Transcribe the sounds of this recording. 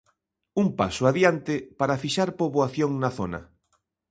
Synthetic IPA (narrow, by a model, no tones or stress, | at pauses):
umpa̰sʊaðjant̪ɪpaɾafiʃaɾpoβoaθjoŋnaθonɐ̰